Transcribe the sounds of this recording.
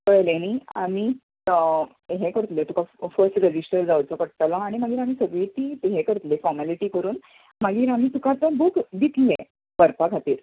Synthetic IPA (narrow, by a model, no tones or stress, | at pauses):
kəɭleñiːa̰miː | ɦekəɾt̪let̪ukafəɾsʈɾed͡ʑisʈəɾd͡zaut͡sɔkəɽt̪alɔaɽ̃imaɡiːɾam̤iːsəɡʋit̪iːt̪uɦekəɾt̪lefɔɾmaliʈiːkəɾuːn | maɡiːɾam̤iːt̪ukat͡sɔbuːkd̪it̪le | bəɾpaɡʱat̪iːɾ